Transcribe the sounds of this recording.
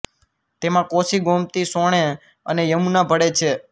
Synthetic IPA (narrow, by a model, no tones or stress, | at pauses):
t̪emãkosiɡomt̪isoɽ̃e | ənejəmunabʱəɽet͡ʃʰe